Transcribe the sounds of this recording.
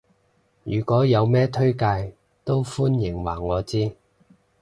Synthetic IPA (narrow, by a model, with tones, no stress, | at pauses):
jyː˨˩kɔː˨˥jɐ˨˧wmɛː˥t̪ʰɵ˥ɥkaː˧j | t̪o˥wfuː˥njɪ˨˩ŋwa̰ː˨˩ŋːɔː˨˧t͡siː˥